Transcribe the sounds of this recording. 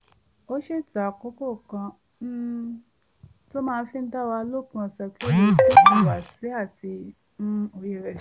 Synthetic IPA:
o˦ʃe˦˨ta˨ko˨˦ko˦˨kã˧ | n̩˦ | to˦mãː˦˧˦fi˦n̩˦da˦wa˧˦lo˦kũ˧˨sɛ˧ki˦o˦je˦ti˦˨ã˨˦˨wa˨si˨˦a˦˨ti˧ | n̩˦o˧˨je˨ɾɛ˨

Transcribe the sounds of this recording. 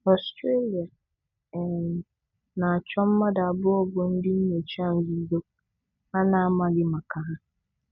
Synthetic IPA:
ɔ˨stʰɾe˦li˨a˨ | nã˨a˨t͡ɕᶣʰɔ˦mː˦ã˦da˨a˨bʊ˦ɔ˨bɔ˨n̩˦dɪ˦n̩˦ɲɛ̃˨t͡ɕʰã˦˨n̩˦zi˨˦zo˦ | a˦nã˦a˦mã˨dɪ˨mã˨kʰa˨a˦

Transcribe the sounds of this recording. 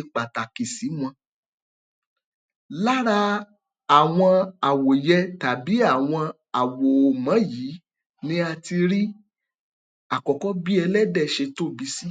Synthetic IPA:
k͡pa˨ta˨ki˨si˨˦m̃ɔ̃˧ | la˦ɾa˧ | a˦˨w̃ɔ̃˧a˨wo˨jɛ˧ta˨bi˨˦a˦˨w̃ɔ̃˧ | a˨wo˨o˨mã˨˦ji˨˦ | nĩ˦a˧ti˧ɾi˦ | a˨kɔ˨kɔ˦bi˦ɛ˧lɛ˦dɛ˦˨ʃe˧to˦˨bi˧si˦

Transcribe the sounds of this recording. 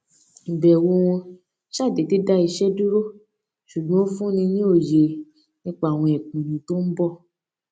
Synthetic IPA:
m̩˨bɛ˨wo˧wɔ̃˧ | ʃa˦˨de˨de˨˦da˦i˧ʃɛ˦du˦ɾo˦˨ | ʃu˨ɡ͡bɔ̃˨˦fũ˦nĩ˧nĩ˦o˦˨je˨ | nĩ˦k͡pa˦a˨w̃ɔ̃˧ɛ˨k͡pĩ˨nĩ˨˦to˦m̩˦bɔ˦˨

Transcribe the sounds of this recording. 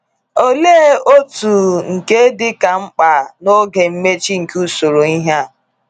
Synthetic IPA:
o˦leː˦o˦tu˨ŋ̩˨ke˦dɪ˦ka˨ŋ͡m̩˦k͡pa˨no˦ɡe˨m̩˦me˦t͡ʃi˦ŋ̩˨ku˦so˨ɾo˨i˦ɦa˦˨

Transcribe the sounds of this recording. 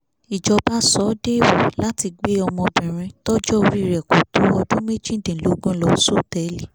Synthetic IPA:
i˨d͡ʒɔ˨˧ba˦sɔ˨˦de˦˨wɔ˨la˦ti˧ɡ͡be˦ɔ˧mɔ̃˧bɛ̃˨ɾ̃ĩ˧tɔ˦d͡ʒɔ˦˧ɾi˦i˧˨ɾɛ˨kɔ˨to˨˦ɔ˧dũ˦me˦d͡ʒĩ˦˨dẽ˨lo˨˦ɡũ˦lɔ˧˨so˦˨tɛ˨˦li˦˨

